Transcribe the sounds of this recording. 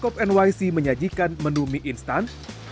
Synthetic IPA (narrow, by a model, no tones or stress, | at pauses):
kɔpɛnwajsiməɲad͡ʒikanmənumiʔinst̪ant̪